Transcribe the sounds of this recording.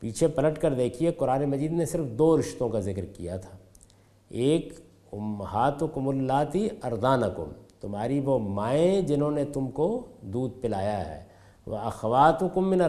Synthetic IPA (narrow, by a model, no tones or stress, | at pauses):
piːt͡ʃʰepɐləʈkɐɾd̪eːkʰieqʊɾaːnemɐd͡ʒiːd̪nesɪɾfd̪oːɾɪʃt̪õkazɪkɾkija̰t̪ʰḁː | eːk | ʊmɦaːt̪ʊkʊmʊlːaːt̪iɐɾd̪aːnɐkʊ̰mt̪ʊmɦaːɾiʋomaːẽd͡ʒɪnõːnet̪ʊmkod̪uːd̪̚pɪlaːjaɦɛ̰ː | ʋɐ̰ɐxɐʋaːt̪ʊkʊmːɪn